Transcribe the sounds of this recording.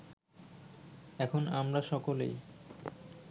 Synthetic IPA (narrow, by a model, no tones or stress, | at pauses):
ɛkʰonamɾaʃɔkolḛj